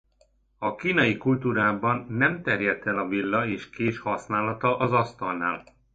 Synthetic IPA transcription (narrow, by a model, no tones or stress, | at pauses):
ɒkiːnɒjikult̪uːɾaːbɒnːɛmt̪ɛrjɛt̪ɛlɒvilːɒeːʃkeːʃhɒsnaːlɒt̪ɒʔɒzɒst̪ɒlna̰ːl